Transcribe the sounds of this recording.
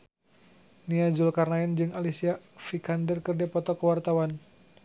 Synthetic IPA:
niad͡ʒulkarnaɛnd͡ʒɨŋalisiafikandərkərdɛpɔt̪ɔkəwart̪awan

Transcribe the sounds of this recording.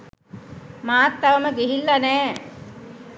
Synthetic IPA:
maːt̪ːaʋəməɡeɦilːanɛː

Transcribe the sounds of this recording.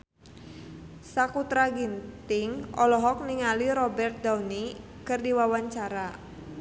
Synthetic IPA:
sakut̪ɾaɡint̪ɪŋɔlɔɦɔk̚niŋaliɾɔbɛrt̪̚dauni | kɨrdiwawaɲt͡ʃaɾa

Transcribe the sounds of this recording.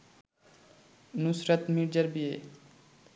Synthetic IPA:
nusɾɐt̪miɾd͡ʒɐɾbije

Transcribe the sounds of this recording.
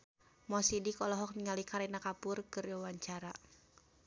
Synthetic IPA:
mɔsidikɔlɔɦɔk̚niŋalikaɾɛnakapʊrkɨrwawaɲt͡ʃaɾa

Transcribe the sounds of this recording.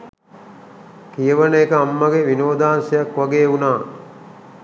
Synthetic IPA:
kijəʋənəːkəamːəɡeʋinoːd̪aːnsɐjakʋaɡeːunaː

